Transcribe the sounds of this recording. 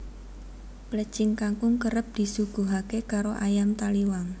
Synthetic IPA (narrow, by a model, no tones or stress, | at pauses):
plə̥t͡ʃɪŋkaŋkʊŋkəɾəp̚d̪̥i̤suɡ̥ṳɦakekaɾoʔajamt̪aliwaŋ